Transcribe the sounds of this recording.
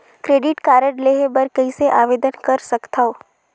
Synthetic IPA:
kɾeːɖɪʈkaːɾəɽleːɦebɐɾkəiseʔaːʋeːd̪ənkɐɾsɐkt̪ʰaoː

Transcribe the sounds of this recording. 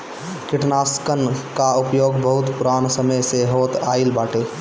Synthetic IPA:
kɪʈnaskənkaupjoːɡbəɦut̪puɾansəməjseɦot̪ailbaʈe

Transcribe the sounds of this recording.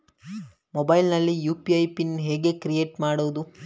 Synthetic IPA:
mobɐjlnɐlːijuːpiɐjpinɦeːɡekɾijeːʈmaːɽuʋd̪u

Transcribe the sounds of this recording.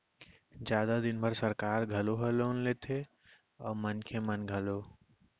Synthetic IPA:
d͡ʒjaːd̪ad̪ɪnbʱɐɾsɐɾkaːɾɡʱɐloɦɐloːnleːt̪ʰe | ɔːɾmɐnkʰemɐnɡʱɐloː

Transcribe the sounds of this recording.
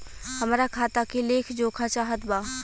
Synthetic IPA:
həmːɾakʰaːt̪akileːkʰd͡ʒoːkʰat͡ʃaːɦət̪baː

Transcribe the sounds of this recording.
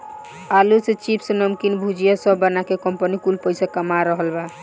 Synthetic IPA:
alusẽt͡ʃipsə̃nəmkinbʱud͡ʒijasəbːənakekɔmpənikulpəɪsakəmaɾəɦəlba

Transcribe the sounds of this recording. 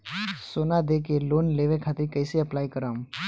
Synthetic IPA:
soːnad̪eːkeloːnleːʋekʰaːt̪ɾikəɪseɐplaːikəɾaːm

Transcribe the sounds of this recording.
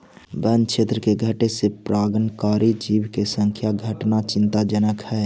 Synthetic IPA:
bənt͡ʃʰeːt̪ɾəkeɡʱəʈesepɾaːɡənkaːɾid͡ʒiːwkesə̃ŋkʰjaɡʱəʈnat͡ʃɪ̃nt̪ad͡ʒənəkhɛː

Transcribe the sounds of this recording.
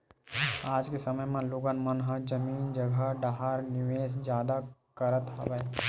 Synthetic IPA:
aːd͡ʒkesɐməjmẽloːɡənmɐnɦəd͡ʒɐmiːnd͡ʒɐɡʱəɖaɦaɾnɪʋeːs̬d͡ʒjaːd̪akɐɾət̪ɦɐ̰ʋəe

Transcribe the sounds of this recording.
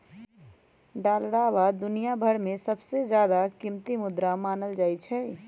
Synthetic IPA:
ɖaːlɽaːʋad̪ːʊnijabʱəɽmẽsɐbsezjaːd̪akɪmt̪imʊd̪ɾamaːnəld͡ʒaːit͡ʃʰɛː

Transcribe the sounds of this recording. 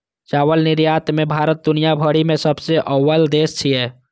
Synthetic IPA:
t͡ʃaːwəlnɪɾjaːt̪mẽbʱaːɾət̪̚d̪ʊnijabʱəɽimẽsəbseʔəwəld̪eːst͡ʃʰiɦɛː

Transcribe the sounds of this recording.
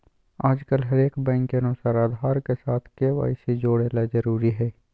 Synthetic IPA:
aːd͡ʒkəlɦɐɾeːkbɛ̃ːŋkːeɐnʊsaːɾaːd̪ʱaːɾkesaːt̪ʰkeːʋa̰ːised͡ʒoːɽelad͡ʒəɾuːɾiɦɛː

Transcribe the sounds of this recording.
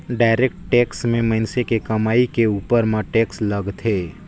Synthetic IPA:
ɖaːɪɾeːk̚ʈʈeːksmẽmɐɪnsekekɐmaːikeuːpəɾmãʈeːkslɐɡt̪ʰeː

